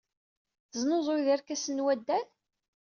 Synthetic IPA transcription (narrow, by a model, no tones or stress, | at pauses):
θzˤnozˤoðæɾkæsənwæd̪ːæn